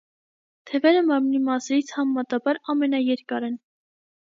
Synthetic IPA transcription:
t̪ʰɛvɛɾəmɑɾmnimɑsɛɾit͡sʰhɑmːɑt̪ɑbɑɾɑmɛnɑjɛɾkɑɾɛn

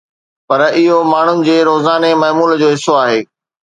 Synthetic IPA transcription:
pɐɾɪɦomaːɳ̤ʊnɪ̆d͡ʑeːɾoːzaːnemɐːmuːld͡ʑoːɦɪsoaːɦeː

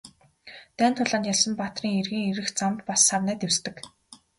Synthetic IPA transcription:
t̪æːnt̪ʰʊɮaːnjaɮsə̆mpat̪riːŋerɣɘ̆ŋeɾɘ̆xt͡sampːasːawnæːt̪ewst̪ɘ̆k

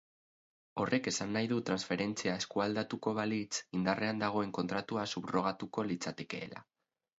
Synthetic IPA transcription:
o̞rʔe̞ke̞sanːajðut̪ɾansfe̞ɾe̞nt͡siae̞skuald̪at̪uko̞β̞alit͡sind̪arʔe̞and̪aɣ̞o̞e̞ŋko̞nt̪ɾat̪uasupro̞ɣ̞at̪uko̞lit͡sat̪e̞ke̞̰ːla̰

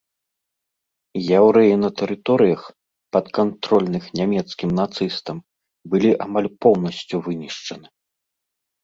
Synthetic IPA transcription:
jawɾɛjinɐt̪ɛɾɨt̪ɔɾɨjɐx | pɐt̪kant̪ɾɔlʲnɨxnʲamʲɛt̪skʲimnat̪sɨst̪ɐm | bɨlʲiʔamalʲpɔwnɐsʲt͡sʲuvɨnʲiʂt͡ʂɐnɨ

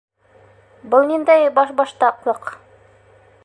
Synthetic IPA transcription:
bɤlˠnind̪æjbɑʃbɑʃt̪ɑqlˠɤq

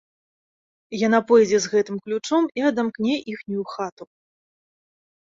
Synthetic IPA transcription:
jan̪apɔjd͡zʲɛzɣɛt̪ɨmklʲut͡ʂɔmiɐd̪amknʲɛʔixnʲujuxat̪u

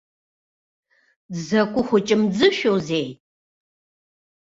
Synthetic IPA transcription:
zɐkʷʼʊxʷʊt͡ʃʼɪmd͡zɨʃowzej

